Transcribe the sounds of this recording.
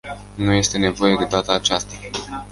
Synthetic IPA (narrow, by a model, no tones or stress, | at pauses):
nuje̞st̪e̞ne̞vo̞je̞d̪e̞d̪at̪əːt͡ʃast̪a